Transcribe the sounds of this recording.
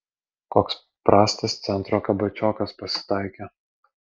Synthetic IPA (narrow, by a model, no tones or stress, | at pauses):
koːks | pɾɑːsʲt̪ʲɐst̪sʲɛnt̪ɾoːkɐbɐt͡ʃʲoːkɐspɐsʲɪ̥t̪ɑɪkʲe